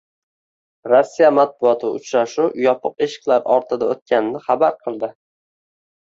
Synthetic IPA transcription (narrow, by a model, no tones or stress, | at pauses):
ɾɒsːijamat̪̚bʊɒt̪ʰɪʊ̰t͡ʃɾaʃujɒpʰɨqe̞ʃɪ̥qlˠaɾɒɾt̪ʰɪd̪aot̪̚kʲanɪnɪχɑbaɾqʰɨlˠd̪ɪ